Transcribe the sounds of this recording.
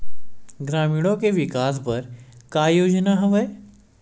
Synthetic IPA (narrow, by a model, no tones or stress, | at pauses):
ɡɾamiɽ̃okeʋikasbəɾkajod͡ʑnaɦəʋəj